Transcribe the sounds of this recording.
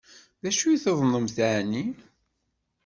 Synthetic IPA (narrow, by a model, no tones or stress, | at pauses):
ðæʃujθəðˤnəmθæʕni